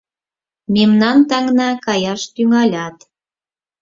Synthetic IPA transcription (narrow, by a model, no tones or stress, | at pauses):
memnɑnt̪ɑŋnɑkɑjɑʃt̪yŋɑlʲɑt̪